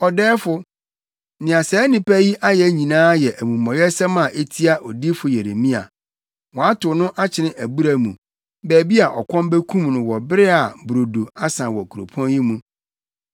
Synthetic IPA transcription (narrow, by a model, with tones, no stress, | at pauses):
ɔ˨dɛː˦fʊ˦ | nɪ̃˨a˨sɛ˨˦nɪ̃˨pɛ˦ji˦ʔa˦jɛ˨˦ɲĩ˨nãː˦jɛ˨ʔæ˨mũ˨mɔ̃˨jɛ˦sɛ˦mã˨ʔe˦tʰi˦a˦ʔɔ˨di˦fʊ˨je˨ɾe˨mĩ˦a̰˨ | wɔ˨a˦tʰʊ˨nʊ̃˦ʔa˦t͡ɕʰɪ˨nɪ̃˦ʔæ˨bu˦ɾa˨mṵ̃˨ | bæː˨bi˦a˨ʔɔ̰˨kʰɔ̃˦m˦be˦kʰũ˦mnʊ̃˨wɔ˨bɪ˦ɾɪ˦a˨bɾo˨do˨a˦sã˨wɔ˨kʰu˨ɾo̰˨pʰɔ̃˦nji˦mũ˨